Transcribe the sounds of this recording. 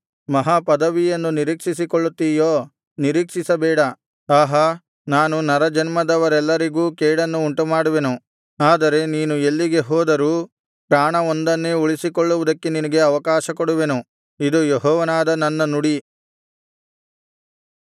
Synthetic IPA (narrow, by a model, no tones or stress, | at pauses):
mɐɦaːpɐd̪ɐʋijɐnːuniɾiːkʂisikoɭːut̪ːiːjoː | niɾiːkʂisɐbɛːɽɐ | aːɦɐ | naːnunɐɾɐd͡ʒɐnmɐd̪ɐʋɐɾɛlːɐɾiɡuːkɛːɽɐnːuːɳʈumaːɽuʋe̞nu | aːd̪ɐɾe̞niːnue̞lːiɡe̞ɦɔːd̪ɐɾuː | pɾaːɳɐond̪ɐnːeuɭisikoɭːuʋud̪ɐkːeninɐɡe̞ɐʋɐkaːʃɐkoɽuʋe̞nu | id̪ujeɦɔːʋɐnaːd̪ɐnɐnːɐnuɽi